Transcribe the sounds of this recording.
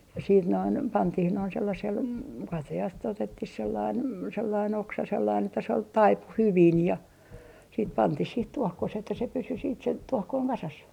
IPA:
jɑ siːt noin pɑntih noin selːɑsel kɑtɑjɑst otetːih selːɑin selːɑin oksɑ selːɑin etːæ se ol tɑipu hyʋin jɑ siːt pɑntih sih tuohkoseh etːæ se pysy siːt se tuɔhkoiŋ kɑsɑs

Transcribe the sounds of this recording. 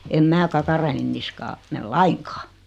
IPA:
em mæː kɑkɑrɑen niskɑː mel lɑiŋkɑ̥ː

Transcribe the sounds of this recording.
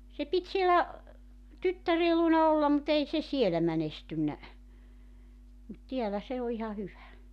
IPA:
se pit sielæ tytːæreː luonɑ olːɑm mut ei se sielæ mænestynːæ mut tiælæ se o ihɑ hyʋæ

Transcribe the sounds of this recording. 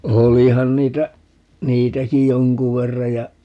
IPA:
olihɑn niːtæ niːtæki joŋku ʋerːɑ jɑ

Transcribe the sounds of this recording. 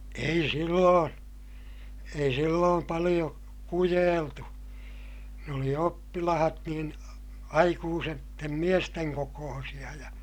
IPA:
ei silːõː ei silːoːm pɑlij̆o kujeːltu ne oli opːilɑhɑt niːn ɑikuːsetːem miesteŋ kokoːsij̆ɑ jɑ

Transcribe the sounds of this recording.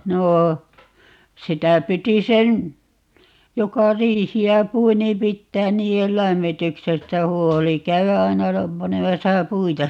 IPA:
noː sitæ piti sen jokɑ riːhiæ pui niːm pitːæːn niːel læmːityksestæ huoli kæyæ ɑi̯nɑ pɑnemɑsɑ puitɑ

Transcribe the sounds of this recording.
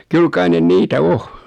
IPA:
kyl kɑi nen niːtæ o

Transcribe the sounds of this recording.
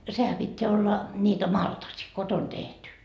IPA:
sehæ pitːeæ olːɑ nʲiːtæ mɑltɑsi koton tehty

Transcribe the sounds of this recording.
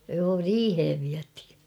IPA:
joː riːheʋ ʋiæthi̥

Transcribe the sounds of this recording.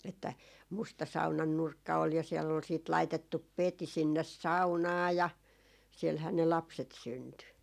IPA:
etːæ mustɑ sɑunɑn nurkːɑ ol jɑ siɛlː ol siːt lɑitetːup peti sinːes sɑunɑː jɑ sielhæː ne lɑpset synty

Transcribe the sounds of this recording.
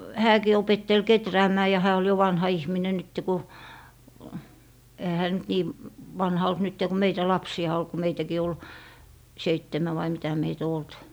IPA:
hæːkiː opetːel ketræːmæː jɑ hæː ol jo ʋɑnhɑ ihminen nytːe ku ehæ hæː nyt niː ʋɑnhɑ olt nytːe ku meitæ lɑpsiɑ ol ku meitækiː ol seitːemæ ʋɑi mitæ meit o olt

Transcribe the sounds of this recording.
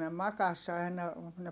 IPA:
ne mɑkɑs ɑinɑ ne

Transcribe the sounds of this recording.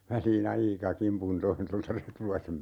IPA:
ʋæliːn ɑikɑ kimpun toin toltɑ retulɑisem

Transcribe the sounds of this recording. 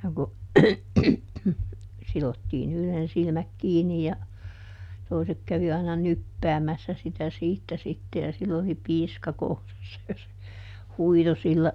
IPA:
no ku silotːiːn yhlen silmæk kiːnːi jɑ toisek kæʋi ɑinɑ nypːæːmæsːæ sitæ siːtːæ sitːe jɑ silː oli piːskɑ kourɑsːɑ jɑ se huito silːæ

